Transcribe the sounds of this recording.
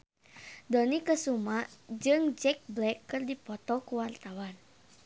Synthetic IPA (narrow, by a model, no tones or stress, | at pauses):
dɔnikəsumad͡ʒɨŋd͡ʒɛk̚blɛkːɨrdipɔt̪ɔkuwart̪awan